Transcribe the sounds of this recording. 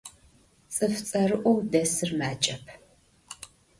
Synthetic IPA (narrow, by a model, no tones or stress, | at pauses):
t͡sʼɨft͡sʼɐrɨʔʷɔwdɐsɨrmaːt͡ʃʼɐpʰ